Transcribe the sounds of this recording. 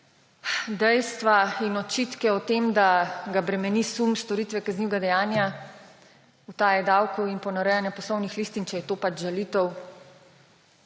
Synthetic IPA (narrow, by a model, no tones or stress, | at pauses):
d̪ɛjst̪ʋainɔt͡ʃit̪kɛɔt̪emd̪aɡabɾɛmɛnisumst̪ɔɾit̪ʋɛkazniwɡad̪ɛjaːnja | ut̪aːjɛd̪awkɔwinpɔnaɾɛjanjapɔslɔwnixliːst̪int͡ʃɛjɛt̪oːpad͡ʒʒalit̪ɔw